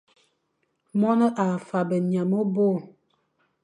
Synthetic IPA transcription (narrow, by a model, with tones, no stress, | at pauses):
mɔ˦nə˦ʔa˨fa˨bə˨ɲa˨mo˦bo˦˨